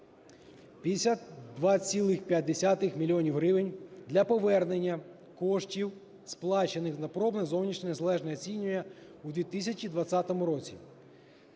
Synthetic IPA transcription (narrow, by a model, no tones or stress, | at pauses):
pʲisʲlʲɐd̪ʋɑt͡sʲilˠɪxpʲjɐt̪̚ʲd̪esʲat̪ɪxmʲilʲiɔnʲiwɦɾɪʋɪnʲd̪lʲɐpɔʋɛrne̞nʲːɐ | kɔʃtʲiw | splˠɑt͡ʃenɪxnɐpɾɔbnɛzɔwnʲiʃnʲɛnezɐlˠɛʒnɛɔt͡sʲinʲʊjɛud̪ʋʲit̪isʲɐt͡ʃʲid̪ʋɐt̪t͡sʲat̪ɔmʊɾɔt͡sʲḭ